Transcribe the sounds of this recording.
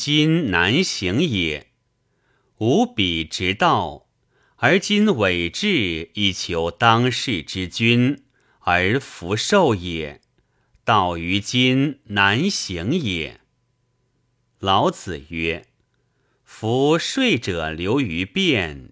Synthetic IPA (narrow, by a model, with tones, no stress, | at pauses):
t͡ɕi˥nna˧˥nɕi˧˥ŋjɛ˨˩˦ | u˧˥pi˨˩ʈ͡ʂɻ̩˧˥t̪ɑ˥˩ʊ | ə˞˧˥t͡ɕi˥nwe˨˩ɪʈ͡ʂɻ̩˥˧i˥˩t͡ɕʰjo˧˥ʊt̪ɑ˥ŋʂɻ̩˥˩ʈ͡ʂɻ̩˥t͡ɕy˥n | ə˞˧˥fu˧˥ʂo˥˩ʊjɛ˨˩˦ | t̪ɑ˥˩ʊy˧˥t͡ɕi˥nna˧˥nɕi˧˥ŋjɛ̰˨˩˦ | lɑ˧˥ʊt͡sɹ̩˨˩ɥɛ˥ | fu˧˥ʂwe˥˩ɪʈ͡ʂɤ˨˩ljo˧˥ʊy˧˥pjɛ˥˩n